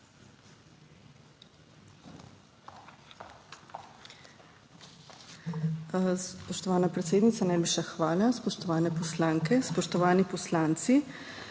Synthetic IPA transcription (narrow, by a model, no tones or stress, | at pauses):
spɔʃt̪ɔʋaːnapɾɛt̪seːd̪nit̪sanɛjbiʃɛxʋaːlaspɔʃt̪ɔʋaːnɛpɔslaːŋkɛspɔʃt̪ɔʋaːnipɔslaːnt̪si